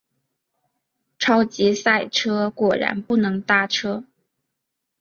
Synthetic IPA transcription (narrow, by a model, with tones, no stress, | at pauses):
ʈ͡ʂʰɑ˥ʊt͡ɕi˧˥sa˥˩ɪʈ͡ʂʰɤ˥kwɔ˨˩ɻa̰˧˥npu˥˩nɤ˧˥ŋt̪a˥˩ʈ͡ʂʰɤ˥